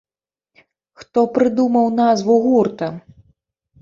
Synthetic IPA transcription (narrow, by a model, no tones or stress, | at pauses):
xt̪ɔpɾɨd̪umɐwnazvuɣurt̪ɐ